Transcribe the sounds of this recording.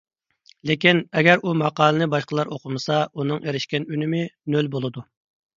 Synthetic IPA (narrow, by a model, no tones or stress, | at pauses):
lekʲinɛɡʲɛɾumɑqɑːlˠɨnɨbɑʃqəlˠɑɾoqʰʊmɨsɑunɨŋʔeɾɪʃkʲɛnynɪmɪnølbolˠɨd̪u